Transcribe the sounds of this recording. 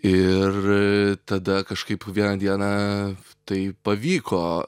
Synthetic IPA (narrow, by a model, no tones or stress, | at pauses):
ɪrt̪ɐd̪ɐkɐʃkɐɪpʋʲiɛnɐd̪ʲiɛnɐ | t̪ɐɪpɐʋʲiːkoː